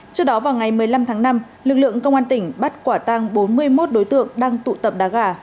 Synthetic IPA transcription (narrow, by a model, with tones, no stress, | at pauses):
t͡ɕɨ˦˥ɗɔ˨˦vaː˨˩wŋa˨˩jmɨ˨˩əjla˧mt̪ʰaː˨˦ŋna˧m | lɨ˨˩k̚lɨ̰˧˨əŋkə˧wŋ͡mʔaː˧nt̪ï˧˩ŋ̟ɓa˦˥t̚kwaː˧˩t̪a˧ŋɓo˨˦nmɨ˧əjmo˦˥t̚ɗo˨˦jt̪ɨ̰˧˨əŋɗaː˧ŋt̪ṵ˧˨t̪ə˨˩p̚ɗaː˨˦ɣaː˧˩